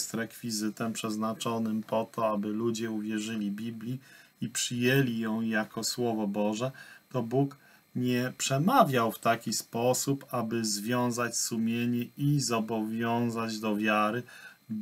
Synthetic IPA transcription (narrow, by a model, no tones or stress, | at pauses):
st̪ɾɛkfʲizɘt̪ɛmpʂɛznat͡ʂɔnɘmpɔt̪ʰɔabɘlud͡ʑɛuvʲjɛʐɘlʲibʲiblʲi | ipʂɘjɛlʲijɔ̃w̃jakʰɔswɔvɔbɔʐɛt̪ɔbuk | ɲɛpʂɛmavʲjawft̪akʲispɔsupabɘzvʲjɔ̃w̃zat͡ɕsumʲjeɲɛʔizɔbɔvʲjɔ̃w̃zad͡ʑd̪ɔvʲjaɾɘ